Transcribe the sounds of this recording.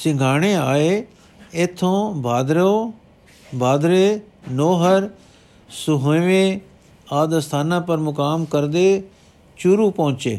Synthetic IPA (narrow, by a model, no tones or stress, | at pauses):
sɪ̃ŋɡʱaːɽ̃eaːe | et̪ʰːõːbʱaːd̪ɾõː | bʱaːd̪ɾeː | noːɦəɾ | sʊɦoʋẽː | aːd̪st̪ʰaːnãːpəɾmʊkaːmkəɾd̪eː | t͡ʃuɾupɔʊ̃t͡ʃḛː